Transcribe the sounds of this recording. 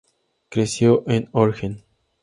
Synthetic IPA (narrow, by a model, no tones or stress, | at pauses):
kɾesjoʔẽnoɾxen